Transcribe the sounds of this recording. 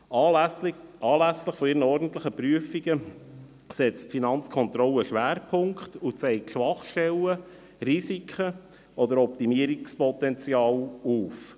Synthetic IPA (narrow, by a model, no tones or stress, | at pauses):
ɑ | ʔɑːlæsləχfɔiɾənəɔɾdn̩t̪ləχəpɾyəfiɡ̥ə | sɛt͡stfinɑnt͡skʰɔnt̪ɾɔlːəʃʋæːɾpʰʊŋkχt̪ut͡sɛɪʃʋɑχʃtɛlːə | risikʰχə | ʔɔd̪əɾɔpt̪imiəɾikspɔt̪ɛnt͡sjɑːluːf